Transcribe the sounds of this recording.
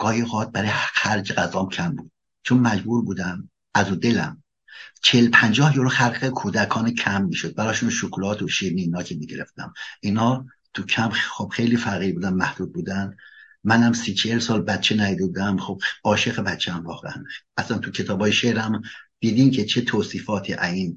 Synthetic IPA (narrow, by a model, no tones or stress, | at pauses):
ɡ̥ɒːjiɣɒːd̪̚bæɾɒːjxæɾd͡ʒeɡæzɒːmcʰæmbṵːd̪̥ | t͡ʃʰonmæd͡ʒbuːɾbuːd̪æm | ʔæzuːd̪e̞læ̰m | t͡ʃʰeelpʰænd͡ʒɒːhjoloxæɾɡekʰuːd̪ækʰɒːnecʰæmːiːʃod̪̚bæɾɒːʃunʃokʰlɒːt̪ʰoʃimiːnɒːkʰemiːɟe̞ɾeft̪æ̰mʔinɒː | t̪ʰucʰæmxob̥xe̞jliːfæɣiːɾbuːd̪ænmæhd̪̥uːd̪̚buːd̪ænd̪ | mænhæmsiːt͡ʃʰeelsɒːlbæt̪̚t͡ʃʰenæjid̪ebud̪æmxob̥ɒːʃeɣebæt̪t͡ʃʰeæmvɒːɣeænʔæslænt̪ʰucʰe̞t̪ʰɒːbɒːjeʃeɾæmd̪̥iːd̪iːncʰet͡ʃʰe̞t̪ʰoːsiːfɒːt̪ʰiːʔæziːn